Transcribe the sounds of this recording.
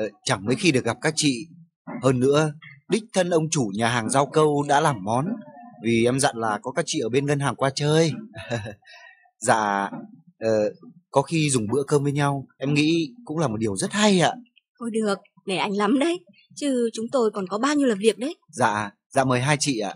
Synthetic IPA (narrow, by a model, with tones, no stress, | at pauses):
t͡ɕa˧˩ŋməː˨˦jxi˧ɗɨ˨˩ək̚ɣa˨˩p̚kaː˦˥k̚t͡ɕḭ˧˨ | həː˧nːɨ̰˧˥əɗï˦˥k̟̚t̪ʰə˧nʔə˧wŋ͡mt͡ɕu˧˩ɲaː˨˩ɦaː˨˩ŋzaː˧wkə˧wɗa̰ː˧˥laː˨˩mːɔ˨˦nvi˨˩ʔɛ˧mza̰˧˨nlaː˨˩kɔ˨˦kaː˦˥k̚t͡ɕḭ˧˨əː˧˩ɓe˧nɣə˧nɦaː˨˩ŋkwaː˧t͡ɕəː˧j | za̰ː˧˨ | ʔəː˨˩kɔ˨˦xi˧zʊ˨˩ŋ͡mɓɨ̰˧˥əkəː˧mvəː˨˦jɲa˧wʔɛ˧mŋḭ˧˥kʊ̰˧˥ŋ͡mlaː˨˩mo˨˩t̚ɗi˨˩əwzə˦˥t̚ha˧jʔa̰ː˧˨ | k̪ɔ˨˦jɗɨ˨˩ək̚ | ne˧˩ʔa˧jŋ̟la˨˦mɗə˨˦j | t͡ɕɨ˧t͡ɕʊ˨˦ŋ͡mt̪o˧jkɔ˨˩nkɔ˨˦ɓaː˧wɲi˧wlaː˨˩vi˨˩ək̚ɗə˨˦j | za̰ː˧˨ | za̰ː˧˨məː˨˩jɦaː˧jt͡ɕḭ˧˨ʔa̰ː˧˨